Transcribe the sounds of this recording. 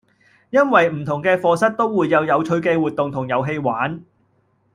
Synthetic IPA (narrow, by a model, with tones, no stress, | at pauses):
jɐ˥nwɐ˨jm̩˨˩t̪ʰʊ˨˩ŋkɛː˧fɔː˧sɐ˥t̚t̪o˥wwuː˨˧jːɐ˨˧wjɐ˨˧wt͡ʃʰɵ˨˥ɥkeː˧wuː˨t̚t̪ʊ˨ŋt̪ʰʊ˨˩ŋjɐ˨˧wɦe˧jwaː˨˥n